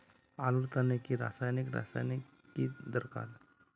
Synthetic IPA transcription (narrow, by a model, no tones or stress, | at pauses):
aluɾt̪anekiɾa̰sajnikɾa̰sajnikː | id̪əɾka̰l